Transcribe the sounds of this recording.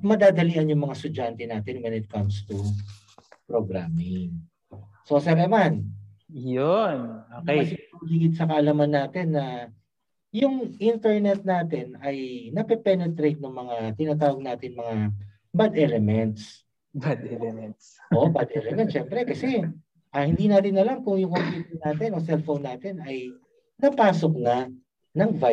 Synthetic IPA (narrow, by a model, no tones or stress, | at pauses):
mɐd̪aːd̪ɐliːʔɐnjʊŋmɐŋast̪ʊd͡ʒant̪ɛnaːt̪ɪnwɛnɪt̪̚kɐmst̪u | pɾoɡɾaːmɪŋ | so̞sɛɾɛman | jonoːkɛjsɐɡiːɡɪt̪̚sɐkɐʔɐlamɐnːaːt̪ɛnːɐ | jʊŋʔint̪ɛɹnɛt̪̚naːt̪ɛnɐjnɐpɛpɛnɛt̪ɾejt̪̚nɐŋmɐŋat̪ɪnaːt̪̬aːwɐɡ̚naːt̪ɪnmɐŋa | bad̪ɛlɛmɛnt̪s | bad̪ɛɛmɛsoʔbad̪ʔɛlɛmɛn̚ʃɛmpɾɛkɐsɛ | ʔɐhɪnd̪iːnaːt̪ɪnɐlamkʊŋjʊŋkop̪iːt̪ɐnːaːt̪ɪnosɛlfownːaːt̪ɪnɐj | nɐpaːsok̚nɐ | nɐŋva